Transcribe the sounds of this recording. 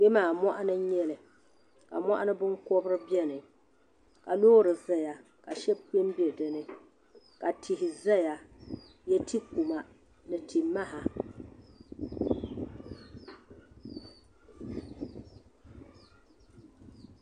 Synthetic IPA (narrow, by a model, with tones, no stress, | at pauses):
ɡ͡be˦maː˨mɔ˦ʔa˦nɨ˦ɲɛ˦lɨ˨ | ka̰˨mɔ˦ʔa˦nɨ˦bɨ˦ŋkɔ˦bɾɨ˦bjɛ˦nɨ˨ | ka˨lo˦ɾɨ˨za˦ja˨ | ka˨ʃɛ˦bk͡pi˦m˦bi˦ɛ˨dɨ˦nɨ˦ | ka˨tʰi˨hɪ˨za˦ja˨ | jɛ˦ti˦ku˨ma˨ | nɨ˨tʰi˨ma˦ha˨